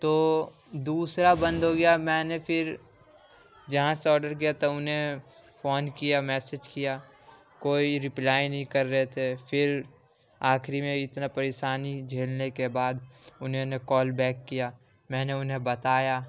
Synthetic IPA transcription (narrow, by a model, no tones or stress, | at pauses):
t̪oː | d̪uːsɾabə̃nd̪ʱɦoɡɐjamɛ̃ːnepʰɪɾ | d͡ʒɐɦãseɔːɾɖəɾk̬ijat̪ɐʊnɦẽ | fʰoːnkijamɛːsed͡ʒkija | koːiɾɪplaːjnɐɦĩkɐɾːɐɦet̪ʰefʰɪɾ | aːkʰɾimẽɪt̪napɐɾeʃaːnid͡ʒʱeːlnekebaːd̪ʊnɦenekɔːlbɛːkːijaː | mɛ̃ːneʊnɦẽbɐt̪aːjaː